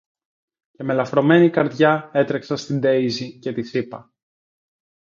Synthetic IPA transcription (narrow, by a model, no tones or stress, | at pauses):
ceme̞lɐfɾo̞me̞nikɐɾðʝɐe̞t̪ɾeksɐst̪ind̪e̞izice̞t̪isipɐ̰